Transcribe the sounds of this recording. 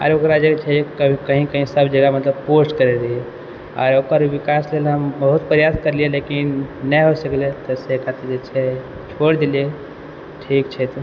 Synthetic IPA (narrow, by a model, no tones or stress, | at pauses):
ɔ̰ɾokɾad͡ʒekt͡ʃʰɛkəbʱĩkəɦĩkəɦĩsəbd͡ʒəɡamət̪ləb̚posʈkəɾeɾəɦie | a̰ːɾokəɾʋikaslelɦəmbəɦut̪pəɾjad̪kəɾlijelekinːɛɦosəklet̪ɔsekat̪ed͡ʒet͡ʃʰɛ | t͡ʃʰoɽd̪elie | ʈʰikt͡ʃʰɛt̪